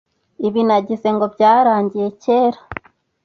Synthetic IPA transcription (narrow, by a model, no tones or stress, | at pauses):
iβinaɟize̞ŋɡo̞bɟaːɾaːɲɟije̞ce̞ːɾa